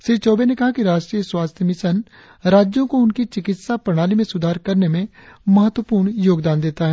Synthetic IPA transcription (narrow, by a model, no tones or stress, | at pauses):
ʃɾiːʋt͡ʃɔːbenekɐɦakiɾaːʃʈɾiːjəswaːst̪ʰjəmɪsən | ɾaːd͡ʒjõkoʊnkit͡ʃɪkɪt̪sapɾɐɽ̃aːlimẽsʊd̪ʱaːɾkɐɾnemẽmɐɦət̪ːwəpuːɾɳjoːɡd̪aːnd̪eːt̪aɦɛ